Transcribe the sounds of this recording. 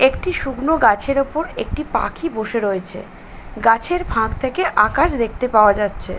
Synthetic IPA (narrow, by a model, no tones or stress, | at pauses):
ekʈiʃuɡnoɡat͡ɕʰeɾopoɾḛk̚ʈipa̰kʰiboʃeɾojet͡ɕʰḛ | ɡat͡ɕʰeɾbʱãɡt̪ʰekeʔakaʃd̪ek̚t̪epaoad͡ʑatːɕʰe